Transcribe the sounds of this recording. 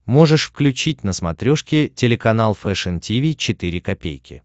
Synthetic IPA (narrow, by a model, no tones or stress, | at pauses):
mo̞ʐɨʂfklʲʉt͡ɕitʲnəsmɐt̪ɾʲoʂkʲɪtʲɪlʲɪkɐn̪alˠfɛʂɛntʲivʲit͡ɕɪt̪iɾʲɪkɐpʲḛjkʲɪ̰